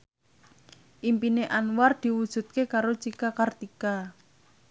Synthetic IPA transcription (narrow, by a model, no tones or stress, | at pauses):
ʔimpineʔanward̪̥i̤wud̥ʒ̥ṳt̪̚kekaɾot͡ʃikakart̪ika